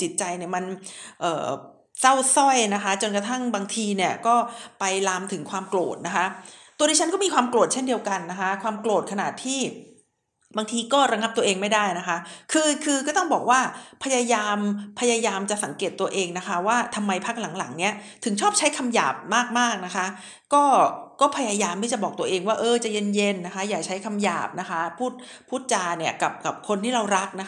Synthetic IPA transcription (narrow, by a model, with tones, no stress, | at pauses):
t͡ɕi˨˩t̪̚t͡ɕa˧jni˨˩ma˧nʔɤ̰ː˨˩ | sa˥˩wsɔ˥˩jna˦˥kʰa˦˥t͡ɕo˧nka˧t̪ʰa˥˩ŋbaː˧ŋt̪ʰiː˧ni˥˩ɐkɔː˥˩pa˧jlaː˧mt̪ʰɯ˩˦ŋkʰwaː˧mklo̰ː˨˩t̪̚na˦˥kʰa˦˥t̪u˧ɾi˥˩a˦˥nkɔː˥˩miː˧kʰwaː˧mklo˨˩t̪̚t͡ɕʰe˥˩ndi˧əwka˧nːa˦˥kʰa˦˥kʰwaː˧mkloː˨˩t̪̚kʰa˧na̰ː˨˩t̪ʰːiː˥˩ | baː˧ŋt̪ʰiː˧kɔː˥˩ɾa˧ŋa˦˥p̚t̪u˧ɐ˧ʔeː˧ŋma˥˩jdaː˥˩jna˦˥kʰa˦˥kʰɯː˧kʰɯː˧kɔː˥˩t̪ɔ˥˩bɔː˨˩k̚waː˥˩pʰa˧jaː˧jaː˧mpʰa˧jaː˧jaː˧mt͡ɕa˨˩sa˩˦ŋkeː˨˩t̪ːu˧ɐʔeː˧ŋna˦˥kʰa˦˥waː˥˩t̪ʰa˧mːa˧jpʰaː˦˥˩k̚la˩˦ŋla˩˦ŋni˦˥ɐt̪ʰɯ˨˩˦ŋt͡ɕʰɔː˥˩p̚t͡ɕʰa˦˥jkʰa˧mja̰ː˨˩p̚maː˥˩k̚maː˥˩k̚na˦˥kʰa˦˥ | kɔː˥˩kɔː˥˩pʰa˧jaː˧jaː˧mt̪iː˥˩t͡ɕa˨˩bɔː˨˩k̚t̪u˧ɐʔeː˧ŋwaː˥˩ʔɤː˧t͡ɕa˨˩je˧nje˧nːa˦˥kʰa˦˥jaː˨˩k̚t͡ɕʰa˦˥jkʰa˧mja̰ː˨˩p̚na˦˥kʰa˦˥pʰuː˥˩t̪̚pʰuː˥˩t̪̚t͡ɕaː˧ni˥˩ɐka˨˩p̚ka˨˩p̚kʰo˧nt̪ʰiː˥˩ɾa˧wɾa˦˥k̚na˦˥